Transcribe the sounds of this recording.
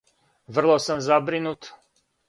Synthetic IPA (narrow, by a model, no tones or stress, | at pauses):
ʋr̩lˠosamzabɾinut̪